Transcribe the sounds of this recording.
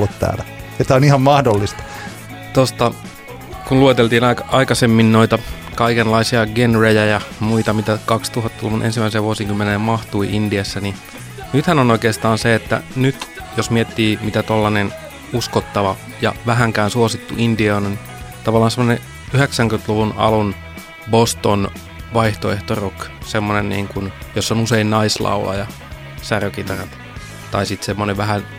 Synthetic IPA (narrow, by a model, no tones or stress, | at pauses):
lːut̪t̪æ̰ːlæjot̪æonihɑmmɑhdolːist̪ɑ̥ | t̪ost̪ɑ | kunluet̪elt̪iːnɑkɑikɑsemːinnoit̪ɑ | kɑikenlɑisiɑɡenrejæjɑmuit̪ɑmit̪ækɑkst̪uhɑt̪ːulʋunʔḛnsimːæˑiseʋʋuosiŋkymːenejɑmɑht̪uiʔindiæsːæni | nyt̪hænonoikeːst̪ɑːnseet̪ːæ̰nyt̪ | josmiet̪ːiːmit̪æt̪olːɑnen | uskot̪ːɑʋɑ | jɑ̰ʋæɦæŋkæːnsuosit̪ːṵʔindiɑnon | t̪ɑʋɑlːɑːnsemːone | yheksæŋkynt̪luʋunɑ̰lun | bost̪on | ʋɑiht̪oeht̪oruksemːonennḭːŋkunjosːonuseinnɑislɑ̰ulɑ̰jɑ | særøkit̪ɑrɑt̪ | t̪ɑisit̪semːoneʋʋæɦæ